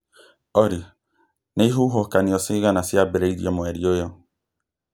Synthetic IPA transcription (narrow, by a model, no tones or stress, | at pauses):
ɔɾi | neɦʊɦɔkaniɔsiɣanasiabeɾeidḭɔmɔɛɾiojɔ